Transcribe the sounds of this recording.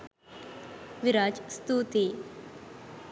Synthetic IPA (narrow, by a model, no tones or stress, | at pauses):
ʋiɾaːd͡ʒst̪uːt̪e